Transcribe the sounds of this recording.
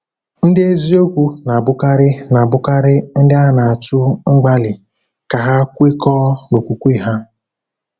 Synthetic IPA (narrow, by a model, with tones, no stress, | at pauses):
n̩˦dɪ˦e˦zi˦o˦kʷu˦na˨bʊ˦ka˦ɾɪ˦na˨bʊ˦ka˦ɾɪ˦n̩˦dɪ˦a˦na˨a˨tu˦ŋ͡m̩˦ɡ͡ba˦lɪ˨ | ka˨ɦa˦kʷe˦kɔː˦no˨kʷu˨kʷi˦ɦa˦